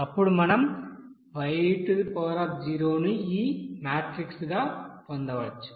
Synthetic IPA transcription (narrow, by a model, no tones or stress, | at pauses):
ɐpːuɽumɐnɐm | ʋɐjʈpɔːɾɐp̚d͡ʒiːɾoːnuiːmaːʈɾiksɡaːpond̪ɐʋɐt͡ʃːu̥